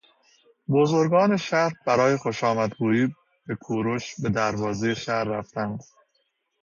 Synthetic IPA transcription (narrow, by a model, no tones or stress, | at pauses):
bo̞zo̞ɾɡɒːne̞ʃæɾhbæɾɒːje̞xo̞ʃɒːmæd̪buːiː | b̥e̞kʰuːɾoʃbe̞d̪æɾvɒːzejeʃæɾːæft̪ænd̪